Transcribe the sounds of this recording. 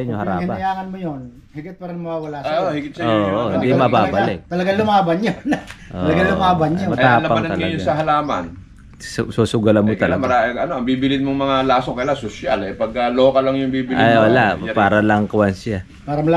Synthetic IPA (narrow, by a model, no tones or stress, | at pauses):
ɲohɐɾaɪnbaɐjaːŋɐnmojon | hɪɡɪt̪̚pɐɾɪnɐŋmɐwawɐlaːshɪɡɪt̪̚ood̪imɐbaːɡbɐlɪk̚t̪ɐlɐɡalʊmaːbɐnɲontʔ̪olɐalʊmaːbɐnɲomɐt̪aːlɐmpɐmamnɐt̪ɐlɐjʊsɐɦɐlaːmɐ̰n | ssoːsʊɡɐlɐnmot̪ɐlɐmɐɾaɐnoʔɐŋbiːbɪlɪnmoŋmɐŋalaːsokɐjlasoʃalɛpɐɡ̚ɐloːkɐlɐŋjʊŋbiːbɪlɪjʔolapaːɾɐlɐŋkwansa | paːɾɐmɐ